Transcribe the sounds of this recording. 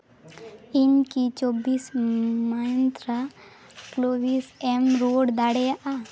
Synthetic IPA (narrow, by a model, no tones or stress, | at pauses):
ɪmkit͡ʃobiːsmajə̃nt̪ɾa | kloːbiːsemɾoːɽd̪aɽeaʔa